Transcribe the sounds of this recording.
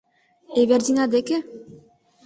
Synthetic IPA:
eβerd̪inad̪eke

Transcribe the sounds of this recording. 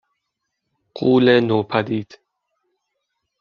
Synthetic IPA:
quːlenoːpʰad̪iːd̪̥

